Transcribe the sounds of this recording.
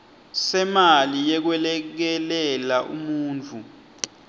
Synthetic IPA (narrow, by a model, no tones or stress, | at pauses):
sɛmalijɛk̬wɛlɛk̬ɛlɛlaʔṵmuːnt͡fʰu